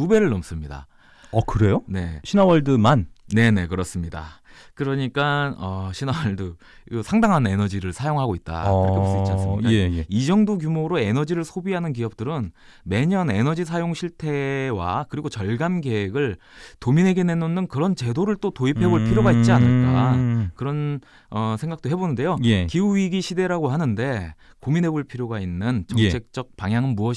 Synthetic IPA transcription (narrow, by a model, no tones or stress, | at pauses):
ube̞ɾɯɭːʌms͈ɯmɲida̰ | ʌkɯɾe̞jone̞ɕʰinawʌɭdɯmanne̞ne̞kɯɾʌs͈ɯmɲida̰kɯɾʌɲik͈anʌɕʰinawʌɭdɯ | ɯsʰaŋdaŋɦane̞nʌd͡ʑiɾɯɭsʰajoŋɦaɡoit̚t͈a̰kɯɾiɡost͡ɕasɯikaejeid͡ʑʌŋdokjumoɾoe̞nʌd͡ʑiɾɯɭsʰobiɦanɯnk̬iʌp̚t͈ɯɾɯn | me̞ɲʌne̞nʌd͡ʑis̬ʰajoŋɕʰiɭtʰe̞wa̰kɯɾiɡot͡ɕʌɭɡanɡe̞weɡɯɭ | tominɦe̞ɡe̞ne̞nonːɯnkɯɾʌnt͡ɕe̞doɾɯɭt͈otoipʰe̞boɭpʰiɾjoɡait̚t͡ɕ͈ianɯɭk͈a̰kɯɾʌn | ʌsʰe̞ŋɡak̚t͈oɦe̞bonɯnde̞jojkiuɥiɡiɕʰide̞ɾaɡohanɯnde̞ | kominɦe̞boɭpʰiɾjoɡainːɯnt͡ɕʌŋt͡ɕʰe̞k̚t͡ɕ͈ʌk̚paŋjaŋɯnmuʌ